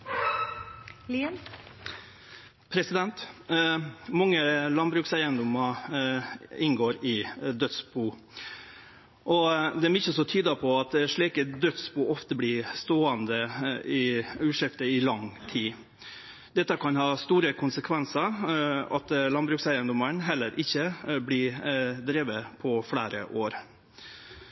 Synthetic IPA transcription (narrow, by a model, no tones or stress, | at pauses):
li | pʰɾɛsɪd̪ɛnt̪ | mɑŋːəlɑnbɾʉːksæɪənd̪ʊmɑ | ɪnɡoːɾɪd̪œt̪sbuː | ʔɔd̪ɛæɾmɪçːəsɔt̪ʰyːd̪əpʰɔɑt̪ʂɭiːkəd̪œt̪sbuːɔft̪əblist̪oːɑnd̪əɪʉːʂɪft̪əɪlɑŋt̪ʰiː | d̪̥ɛt̪ːəkʰɑnhɑːst̪uːɾəkʰʊnsəkʰʋɛnsəɑt̪lɑnbɾʉːksæɪənd̪ʊməɳɦɛlːəɾʔɪçːəblɪd̪ɾeːʋəpʰɔfɽæːɾə̰ʔoːɾ